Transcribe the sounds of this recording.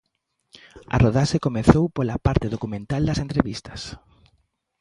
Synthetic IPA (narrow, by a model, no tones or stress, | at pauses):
ɐ̰roðaʃekomeθowpolapaɾt̪eðokumẽnt̪ald̪ɐsent̪ɾeβist̪ɐ̥s